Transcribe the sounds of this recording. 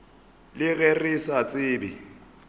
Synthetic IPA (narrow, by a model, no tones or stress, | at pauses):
lɪɣerisat͡sʼɪːbɪ